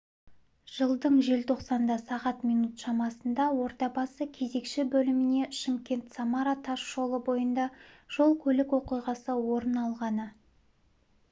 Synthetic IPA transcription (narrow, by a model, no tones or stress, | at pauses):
ʒ̥əlˠd̪əɴʒe̞lt̪ʰo̞qsɑnd̪ɑsɑʁɑt̪mijnut̪ʃɑmɑsənd̪ɑwo̞ɾt̪ɑbɑsəkʲʰe̞ze̞kʃɪbɵlɪmɪne̞ʃɪmkʲe̞nt̪sɑmaɾat̪ʰɑʃʒo̞lˠəbo̞jənd̪ɑʒ̥o̞lˠkʲʰɵlɪkwo̞qijʁɑsəwo̞ɾənɑlˠʁɑnə